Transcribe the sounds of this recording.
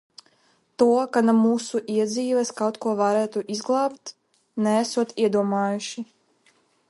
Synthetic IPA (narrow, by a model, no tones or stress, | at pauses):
t̪uɔkanamuːsuʔiɛd̪zʲiːvɛskawt̪kuɔvaɾæːt̪uʔizɡlˠɑːpt̪ | nɛːsuɔt̪iɛd̪uɔmaːjuʃi